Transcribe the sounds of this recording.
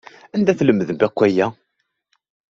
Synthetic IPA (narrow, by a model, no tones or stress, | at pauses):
ænd̪æθləmːəðəmbækʷːæjæ